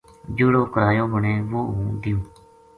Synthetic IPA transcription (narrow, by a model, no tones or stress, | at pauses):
d͡ʒʊːɽoːkəɾaːjõːbəɳeːʋoːũːd̪ɪjõː